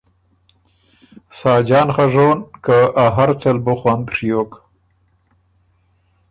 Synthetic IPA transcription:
sɑːd͡ʒɑːnχaʐoːnkaaɦaɾt͡salbʊxwand̪ʂijok

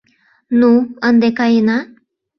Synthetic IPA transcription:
nuənd̪ekɑjenɑ

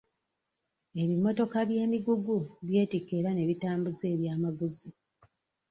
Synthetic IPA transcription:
e̞βimo̞to̞kaβje̞ːmiɡuɡuβje̞ːtikeːɾane̞βitaːmbuze̞ːβjaːmaɡuzi

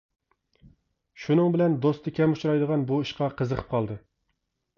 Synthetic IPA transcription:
ʃunɨŋbɪlɛnd̪ost̪ʰɨkʲɛmut͡ʃɾɑjd̪əʁɑnbuiʃqɑqʰəzəqʰə̥p̚qʰɑlˠd̪ɨ

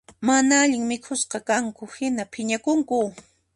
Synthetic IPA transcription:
manaaʎɪŋmɪkʰʊsqɑkaŋkʊhɪnapʰɪɲakʊŋkʊ

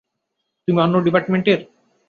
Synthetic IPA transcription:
t̪umiɔnːoɖipaɾʈmeɳʈeɾ

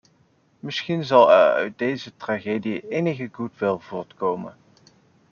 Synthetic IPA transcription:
mɪsχinzɑlˠɛ̰ɹœ̰ɥt̚dejzətraχeːdijəʔejnəɣəɡutʋɪlˠvʊːɹtkowmə̰n

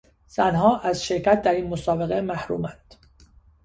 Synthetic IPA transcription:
z̥ænɦɒːʔæzʃe̞ɾcʰæt̪̚d̪æɾiːnmosɒːbe̞ɣemæhɾuːmænd̪̥

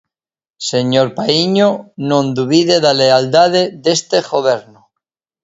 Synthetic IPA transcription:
se̞ɲoɾpaiɲonõnd̪uβiðeðaleald̪að̞eðe̞st̪exoβeɾno

